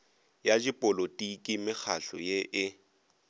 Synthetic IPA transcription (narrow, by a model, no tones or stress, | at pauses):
jad͡ʒipʼʊlotʼikʼimɪk͡xʰaɬɔ̰jeʔɪ